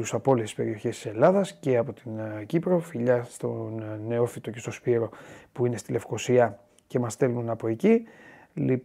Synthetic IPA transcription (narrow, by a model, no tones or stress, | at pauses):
usɐpolisi̥spe̞ɾio̞çe̞st̪i̥se̞lɐðɐsce̞ɐpo̞t̪incipɾo̞fiʎɐst̪o̞ne̞o̞fit̪o̞ce̞st̪o̞spiɾo̞puine̞st̪ile̞fko̞siɐ | ce̞mɐst̪e̞lnunɐpo̞eci | li